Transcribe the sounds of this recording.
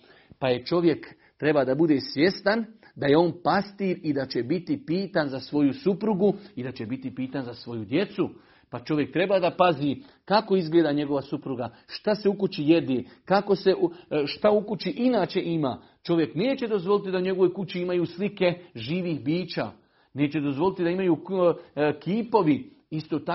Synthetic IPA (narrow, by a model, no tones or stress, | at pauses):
paje̞t͡ʃo̞ʋje̞k | t̪ɾe̞bad̪abud̪esʋje̞st̪an | d̪aje̞o̞ːnpast̪iːɾid̪at͡ɕe̞bit̪ipiːt̪anzasʋo̞jusupɾuɡuid̪at͡ɕe̞bit̪ipiːt̪anzasʋo̞jud̪je̞t̪su | pat͡ʃo̞ʋje̞k̚t̪ɾe̞baːd̪apazi | kako̞izɡleːd̪aɲe̞ɡo̞ʋasupɾuɡaʃt̪aseukut͡ɕije̞d̪eːkako̞se̞ʔʃt̪aukut͡ɕiʔinaːt͡ʃe̞ʔimaː | t͡ʃo̞ʋje̞kneːt͡ɕe̞d̪o̞zʋo̞lit̪id̪auɲe̞ɡo̞ʋo̞jkut͡ɕiimajuːslike̞ʒiːʋixbiːt͡ʃa̰ː | ne̞ːt͡ɕe̞d̪o̞zʋo̞lit̪id̪aimajuː | kʰiːpo̞ʋi | ist̪oːt̪a